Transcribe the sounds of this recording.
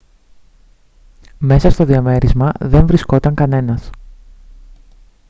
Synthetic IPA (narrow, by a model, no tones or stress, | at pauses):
me̞sɐst̪o̞ðiɐme̞ɾizmɐðe̞ɱvɾisko̞t̪ɐŋkɐne̞nɐs